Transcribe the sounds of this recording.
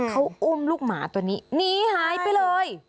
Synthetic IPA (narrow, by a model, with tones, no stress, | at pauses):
kʰa˦˥wʔu˧˥˩mluː˥˩k̚ma̰ː˩˦t̪u˧nːiː˦˥niː˧˩haː˨˦jpa˧jlɤː˧j